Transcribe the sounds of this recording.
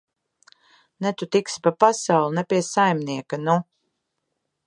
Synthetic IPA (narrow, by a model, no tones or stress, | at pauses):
nɛt̪ut̪ikspapasawlˠunɛpiɛsajmniɛkanu